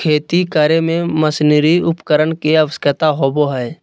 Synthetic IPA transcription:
kʰeːt̪ikəɾemẽməsniɾiʊpkəɾənkeɐʋəskət̪aɦoːboɦɛː

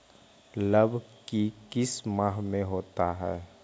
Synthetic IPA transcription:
ləbʱkikɪsmaːɦmẽɦoːt̪aɦɛː

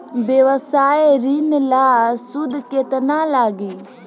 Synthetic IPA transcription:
bjeʋəsaːeɾinlaːsʊd̪ʱket̪nalaːɡi

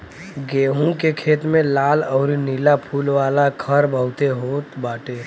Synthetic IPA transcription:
ɡeːɦũkekʰeːt̪mẽlaːlɔːɾinilapʰuːlʋaːlakʰəɾbʱəʊt̪eɦoːt̪baːʈeː

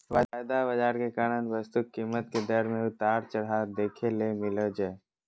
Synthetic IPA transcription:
ʋaajd̪abəd͡ʒaːɾkekaːnənʋəst̪ukkːimːət̪ked̪əɾmẽʊt̪aːɾt͡ʃəɽad̪eːkʰelemɪləd͡ʒae

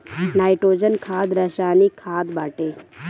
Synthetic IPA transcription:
naːjʈoːd͡ʒənkʰaːd̪ɾɐʃaːnikʰːaːd̪baːʈeː

